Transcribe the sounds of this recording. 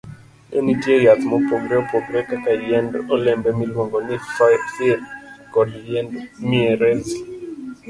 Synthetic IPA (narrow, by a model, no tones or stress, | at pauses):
ɛnitjejat̪mɔpɔɡɾɛopoɡɾɛkakaljɛndɔlɛmbɛmilwoŋɡɔnifafɛkɔdliɛndmiɛɾɛz